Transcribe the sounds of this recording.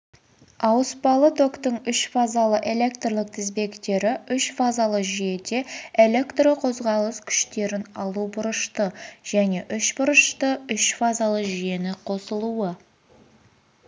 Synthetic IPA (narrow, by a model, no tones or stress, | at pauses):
ɑwəspɑlˠət̪ʰo̞kt̪əɴʏʃfazalˠəʔe̞le̞kt̪rlˠəq̚t̪ʰɪzbe̞kt̪e̞ɾɪʏʃfazalˠəʒije̞d̪e̞elʲe̞kt̪rəqʰo̞zʁɑlˠəskʲʰʏ̥ʃt̪e̞ɾɪnɑlˠubʊɾəʃt̪əʒ̥æne̞ʔʏʃbʊɾəʃt̪əʏʃfazalˠəʒije̞nɪqʰo̞səlˠuə